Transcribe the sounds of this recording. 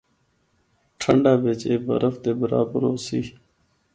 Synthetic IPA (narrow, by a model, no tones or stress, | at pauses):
ʈʰəɳɖaːbeːt͡ʃeːbə̰ɾəfd̪eːbəɾa̰ːbəɾoːsiː